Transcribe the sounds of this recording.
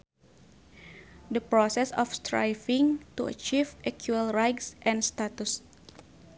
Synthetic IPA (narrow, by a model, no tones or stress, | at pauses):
dəpɾɔsɛsɔfst̪ɾa̰jfĩŋt̪uə̰t͡ʃivʔɛkʰjuəlɾajksʔɛ̃nst̪at̪us